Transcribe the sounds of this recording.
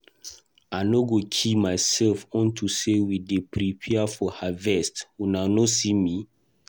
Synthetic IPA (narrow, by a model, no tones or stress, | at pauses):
anoɡokʰimaɪsɛlfɔ̃ntʰusewidepɾipʰɛafɔhavɛstwunanosimi